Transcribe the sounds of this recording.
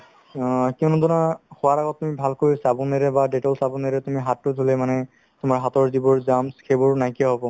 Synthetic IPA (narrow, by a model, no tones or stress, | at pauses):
kiʊnudɔnaxɔwaɹaɡɔtːumibʱalkojsabɔneɹɛbadetɔlsabɔneɹɛtumiɦatːʊdʱulɛmanɛ | tʊmaɹɦatɔɹdibɔɹzamskʰebɔɹnajkiaɦɔbɔ